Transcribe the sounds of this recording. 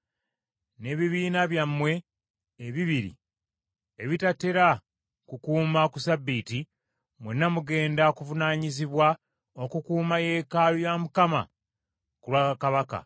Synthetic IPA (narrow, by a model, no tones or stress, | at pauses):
ne̞ːβiβiːnaβjamːwe̞ː | βiβiɾḭ | eβitatːe̞ɾa | kukuːmakusabːiːti | mwenːamuɡe̞ːndakuvunaːɲiziβwa | o̞kukuːmaje̞kaːlujamukama̰ | kulwaːkakaβaka̰